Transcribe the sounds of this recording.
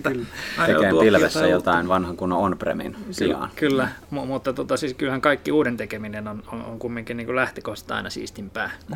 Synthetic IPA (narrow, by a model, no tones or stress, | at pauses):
kylːseempilʋesːæjot̪ɑinʋɑnhɑŋkunːoonprḛmḭnsiɑ̰nkylːæmumut̪ːɑt̪uot̪ɑsiːskylhæŋkɑikːiuːdent̪ekeminenonoo̰ŋkumːiŋkinniːŋkulæht̪ekohst̪ɑ̰inɑsḭːst̪impæː